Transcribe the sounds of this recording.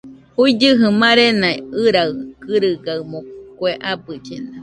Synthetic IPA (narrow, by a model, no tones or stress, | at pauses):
huid͡ʒɨɦɨmãɾenaeɨɾaɨkɨɾɨɡaɨmõkweʔabɨt͡ʃḛna